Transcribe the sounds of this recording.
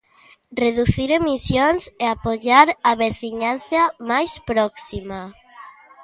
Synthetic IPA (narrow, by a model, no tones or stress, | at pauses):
reðuθiɾemisjonseapoʎaɾaβeθiɲanθjamajspɾɔksima